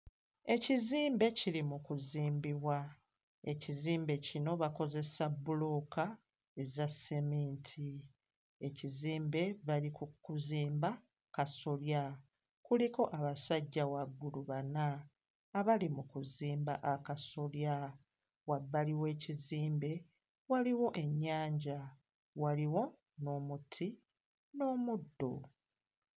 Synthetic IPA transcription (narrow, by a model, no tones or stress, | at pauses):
e̞ciziːmbe̞cilimukuziːmbiβwa | e̞ciziːmbe̞cino̞βako̞ze̞sabːuloka | e̞zasemeːntʰi | e̞ciziːmbe̞βalikukuziːmba | kaso̞lja | kuliko̞ʔaβasaɟːawaɡːuluβanaː | βalimukuziːmba̰ʔakaso̞lja | wabːaliwe̞ːciziːmbe̞ | waliwo̞ʔe̞ɲːaːɲɟa | waliwo̞ | no̞ːmutʰi | no̞ːmudːo̞̰